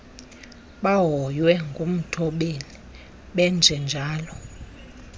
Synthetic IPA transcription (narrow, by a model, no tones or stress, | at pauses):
ɓaɦɔjwɛŋɡʱom̩tʰɔɓeli | ɓɛnd͡zʱɛnd͡ʒʱaːlɔ